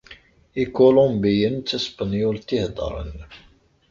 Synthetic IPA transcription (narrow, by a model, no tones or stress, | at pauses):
ikolõmbijənt͡s̪ːəspɑnjult̪ihd̪ˤə̰ɾˤə̰n